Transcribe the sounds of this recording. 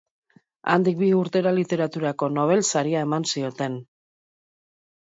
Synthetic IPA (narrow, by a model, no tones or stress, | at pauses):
a̰nd̪ik̚biuɾt̪e̞ɾalit̪e̞ɾat̪uɾako̞no̞β̞e̞lsaɾiae̞mansio̞t̪e̞n